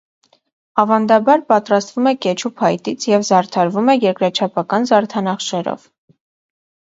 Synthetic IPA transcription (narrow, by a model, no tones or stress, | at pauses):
ɑvɑnd̪ɑbɑɾpɑt̪ɾɑst̪vumɛkɛt͡ʃʰupʰɑjt̪it͡sʰjɛvzɑɾt̪ʰɑɾvumɛjɛɾkɾɑt͡ʃʰɑpʰɑkɑnzɑɾt̪ʰɑnɑχʃɛɾɔ̰v̥